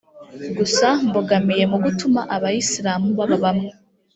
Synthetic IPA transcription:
ɡusamboɡamije̞muɡutumaʔaβaisiɾaːmuβaβaβamŋe

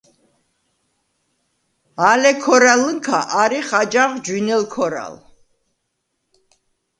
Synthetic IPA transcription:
alɛkʰɔɾaləŋkʰa̰ʔaɾiχad͡ʒaʁd͡ʒwinɛlkʰɔɾa̰l

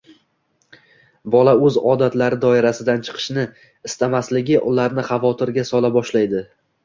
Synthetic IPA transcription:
bɒlaɵzɒd̪at̪laɾɪd̪ɒɪɾasɪd̪ant͡ʃʰɨ̥qʰɨ̥ʃnɪ | ɪst̪amaslɪɡʲɪʔʊlaɾnɪχavɒt̪ʰɪɾɡʲasɒlˠabɒʃlajd̪ɪ

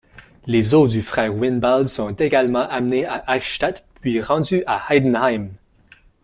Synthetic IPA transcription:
lezod̪yfχɛːʁwinbalsɔ̃t̪eɡalmɑ̃ʔamneaʔaʃt̪at̪pɥiʁɑ̃d̪yʔahajd̪ənhajm

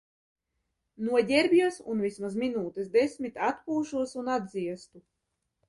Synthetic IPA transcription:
nuɔɟʲɛɾbʲjuɔsunvismazminuːt̪ɛsd̪esʲmʲit̪at̪puːʃuɔsunad̪ziɛst̪u

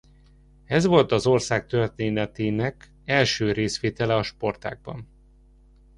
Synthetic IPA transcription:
ɛzʋo̞lt̪ɒzo̞rsaːk̚t̪ørt̪eːnɛt̪eːnɛk | ɛlʃøːɾeːsʋeːt̪ɛlɛɒʃpo̞rt̪a̰ːɡ̚bɒ̰n

